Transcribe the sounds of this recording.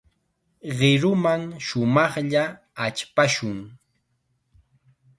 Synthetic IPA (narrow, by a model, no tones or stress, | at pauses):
ɢɪɾʊmaŋʃʊmɑχʎa | at͡ʃpaʃʊŋ